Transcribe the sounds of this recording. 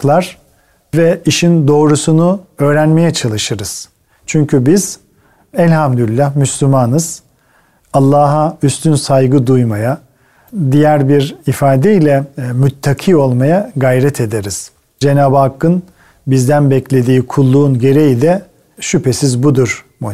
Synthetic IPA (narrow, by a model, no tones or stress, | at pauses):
klˠaɾ̥ | vɛiʃind̪o̞ːɾusunuø̞ːɾænme̞jɛt͡ʃʰalˠɯʃɯɾɯz̥ | t͡ʃʰyɲcʰybiz̥ | ɛlʲhamd̪ylʲːahmyslʲymaːnɯz̥ | alˠːaːɦayst̪ʰynsajɡɯd̪ujmaja | d̪ijæɾbiɾifaːd̪ɛilʲɛmyt̪ʰːakʰiːo̞lˠmajaɡajɾɛt̪ʰe̞d̪eɾiz̥ | d͡ʒe̞naːbakːɯn | bizd̪ænbɛclʲe̞d̪iːkʰulˠːuːnɟe̞ɾe̞jid̪ɛ | ʃypʰe̞sizbud̪uɾ | mu